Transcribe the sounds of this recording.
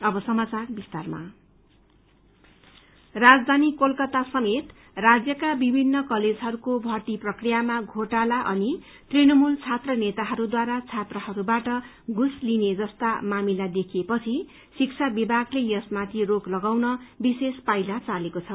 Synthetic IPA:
ʌbʌsʌmat͡sarbist̪arma̰ | rad͡zd̪ʱanikolkʌt̪asʌmet̪ | rad͡zjʌkabibʱinːʌkʌled͡zɦʌɾukobʱʌrt̪iprʌkrijamaɡʱoʈalaʔʌni | t̪rinʌmult͡sʰat̪rʌnet̪aɦʌɾud̪waɾat͡sʰat̪rʌhʌɾubaʈʌ | ɡʱuslined͡zʌst̪amamilad̪ekʰijepʌt͡sʰi | sikt͡sʰabibʱaɡlejʌsmat̪ʰiroklʌɡawnʌbisespajlat͡salekot͡sʰʌ

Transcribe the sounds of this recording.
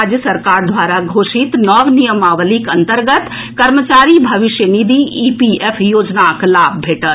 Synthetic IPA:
ad͡ʒjəsəɾkaːɾd̪ʱʋaːɾaɡʱoːʃɪt̪nɔːʋnijəmaːʋəlikɐ̃nt̪əɾɡət̪ | kɐɾmət͡ʃaːɾibʱɐʋɪʃjənid̪iʔiːpiepʰjoːd͡ʒnaklaːbbʱeːʈət̪

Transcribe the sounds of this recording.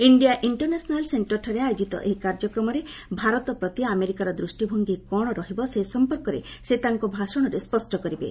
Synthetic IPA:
iɳɖijaʔiɳʈɔɾnesɔnalseɳʈɔɾʈʰɔɾeajod͡ʒit̪ɔ̰ʔeɦikaɾd͡ʒɔkɾɔmɔɾebʱaɾɔt̪ɔpɾɔt̪iameɾikaɾɔd̪ɾusʈibʱoŋɡikɔɽ̃ɔɾɔɦibɔsesɔmpɔɾkɔɾeset̪aŋkɔbʱasɔɽ̃ɔɾespɔsʈɔkɔɾibḛ

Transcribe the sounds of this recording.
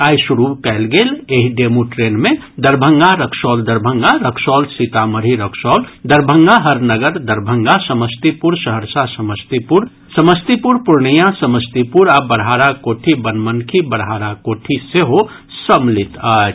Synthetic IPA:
aːjsuɾukɛɪlɡeːleɦiɖemuʈɾeːnmẽ | d̪əɾbʱəŋɡaɾəkʰsɔːld̪əɾbʱəŋɡaɾəkʰsɔːlsit̪aməɾiɾəkʰsɔːld̪əɾbʱəŋɡaɦəɾnəɡəɾd̪əɾbʱəŋɡasəməst̪ipuɾsəɦəɾsasəməst̪ipuɾ | səməst̪ipuɾpuɾɳijãsəməst̪ipuɾabəɽɦaːɾakoʈʰibənmənkʰibəɽɦaːɾakoʈʰiseɦo | səmlit̪aː

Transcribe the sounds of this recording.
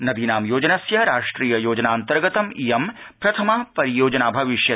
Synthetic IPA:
nɐd̪inaːmjoːd͡ʒɐnɐsjɐɾaːʂʈɾiːjɐjoːd͡ʒɐnaːnt̪ɐɾɡɐt̪ɐmijɐm | pɾɐt̪ʰɐmaːpɐɾijoːd͡ʒɐnaːbʱɐʋiʃjɐ

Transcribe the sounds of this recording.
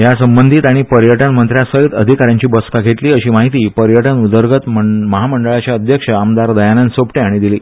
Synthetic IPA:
jasəmbənd̪ʱiːt̪aɽ̃ipəɾjəʈənmənt̪ɾjasəɦit̪ə̰d̪ʱikaɾjãɲt͡ɕiːbəskaɡʱeʈliːəɕiːmaɦit̪iːpəɾjəʈənud̪əɾɡət̪məməɦaməɳɖəɭat͡ɕjaəd̪ʱjəkʂəamd̪aɾd̪əjanansopʈeaɽ̃id̪iliː

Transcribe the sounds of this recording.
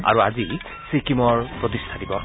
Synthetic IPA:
a̰ɹuazi | sikimɔɹpɹot̪̬istʰadibɔ

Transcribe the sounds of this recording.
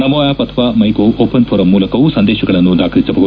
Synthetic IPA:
nɐmoːjaːpɐt̪ʰɐʋaːmɐjkoʔoːpɐnpʰoːɾɐmːuːlɐkɐʋusɐnd̪eːʃɐɡɐɭɐnːud̪aːkʰɐɾisɐbɐɡɐ

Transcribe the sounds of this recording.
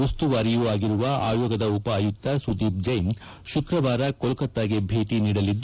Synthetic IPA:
ust̪uʋaːɾijuaːɡiɾuʋɐʔa̰ːjɔːɡɐd̪ɐupɐːjut̪ːɐsud̪iːp̚d͡ʒɐjn | ʃukɾɐʋaːɾɐkɔlkɐt̪ːaːɡebʱe̞ːʈiniːɽɐlid̪ː

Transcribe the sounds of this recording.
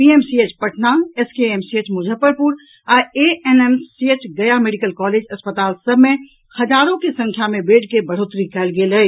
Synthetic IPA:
piemsiet͡ʃpəʈʰnaːnɛskeemsiet͡ʃmʊd͡ʒʱəpəɾpuɾ | aːɾeenemsiet͡ʃɡəjameːɖikəlkɔːleːd͡ʒɐspət̪aːlsəbʱmẽ | hɐzaːɾõkesə̃ŋkʰjamẽbeːʈkebəɽ̤oːt̪ɾikɛːlɡeːlɦɛ

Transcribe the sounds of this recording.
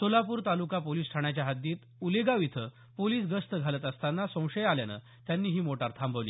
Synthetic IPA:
solapuːɾt̪alukapoliːsʈʰaɳ̃jat͡ɕjaɦad̪iːt̪ | uleɡaʋit̪ʰə | poliːsɡəst̪əɡʱalət̪əst̪anːasə̃w̃ʂəjaljanə̰ | t̪janːiːɦiːmoʈaɾt̪ʰambʱəʋlḭː

